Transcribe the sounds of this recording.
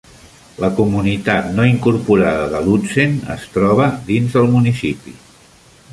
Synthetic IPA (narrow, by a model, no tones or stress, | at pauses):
ləkumunit̪at̪noiŋkuɾpuɾaðəðəlut͡senə̰st̪ɾɔβ̞əd̪inzðəlˠmunisipḭ